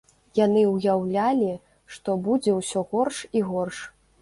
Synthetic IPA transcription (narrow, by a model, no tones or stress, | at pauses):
janɨwjawlʲalʲi | ʂt̪ɔbud͡zʲɛwsʲɔɣɔrʂiɣɔrʂ